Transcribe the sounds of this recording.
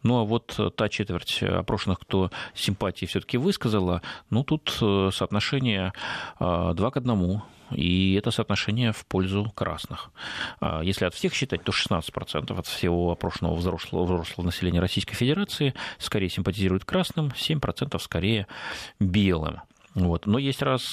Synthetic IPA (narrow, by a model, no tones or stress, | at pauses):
nuavo̞t̪t̪ːat͡ɕet̪vʲɪrtʲɐ̰pɾo̞ʂɨnɨxkt̪o̞sʲɪmpatʲɪjːfsʲɵt̪ə̥kʲɪvɨskəzəlˠənot̪ut̪səːt̪nɐʂɛnʲɪjəad̪vakəd̪nɐmu | iɛt̪əsəːt̪nɐʂɛnʲɪjəfpo̞lʲzʊkɾa̰snɨxa̰jesʲlʲɪɐt̪fsʲe̞xɕːɪt̪at̚ʲt̪o̞ʂɨ̥snat̪sə̥tʲpɾɐt̪sɛ̰nt̪əfɐt̪fsʲɪvo̞ɐpɾo̞ʂənə̰və̰vzoʂlˠvzɾo̞ʂlˠəvənəsʲɪlʲenʲɪjəɾɐsʲijskəjfʲɪdʲɪɾat̪sɨɪskɐɾejəsʲɪmpətʲɪzʲiɾʊjɪt̪kɾasnɨmsʲemʲpɾɐt̪sɛnt̪əfskɐɾʲejəbʲelˠɨ̰m | vo̞t̪nojesʲtʲras